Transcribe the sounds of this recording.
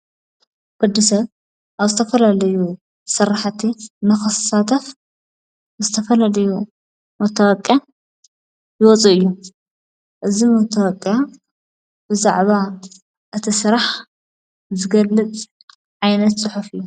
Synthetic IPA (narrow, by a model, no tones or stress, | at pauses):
ɡʼʊd̪ːisɐβ | ʔaβzɨt̪ʰɐfɐlalɐju | sɨɾaħt̪ʰinɐxɐssat̪ʰɐf | zɨt̪ʰɐfɐlɐlɐju | mɐt̪ʰːɐwɐkʼja | jɪwɔt͡sʼuʔɨjːu | ʔɨzimot̪ʰɐwɐkʼja | b̥ɨza̰ʕβa | ʔɨt̪ʰisɨɾaħ | zɨɡɐlːɨt͡sʼ | ʕajnɐt̪sʼɨħufɨjːu